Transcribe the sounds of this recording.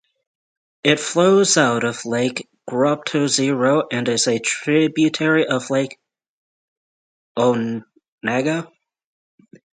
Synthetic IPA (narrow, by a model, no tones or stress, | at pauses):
ɪtfloʊzaʊɾʌv̥laɪk | ɡ̥ɹʌp̚tʰoʊziɹoʊʔɨ̃nɨzɨtʰɹ̥ɪbjʉtʰɛɹiʔʌv̥laɪk | oʊ | næɡə